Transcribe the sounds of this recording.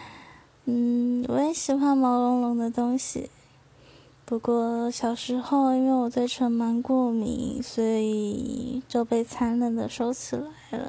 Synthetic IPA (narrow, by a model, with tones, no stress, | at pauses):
n̩˥˩wɔ̰˧˥ə˧˥nɕi˨˩xwa˥˩nmɑ˧˥ʊlʊ˧˥ŋlʊ˧˥ŋd̪ə˧t̪ʊ˥ŋɕḭ˨˩ | pu˧˥kwɔ˥˩ɕjɑ˨˩ʊʂɻ̩˧˥xo˥˧ʊi˥nwe˥˩ɪwɔ˨˩t̪we˥˩ɪʈ͡ʂʰə˧˥ŋma˧˥nkwɔ˥˩mḭ˧˥ŋswɔ˧˥i˨˩t͡ɕo˥˧ʊpe˥˩ɪt͡sʰa˧˥nlə˨˩nd̪ə̰˨ʂo˥ʊt͡ɕʰi˨˩la˧˥ɪlə̰˧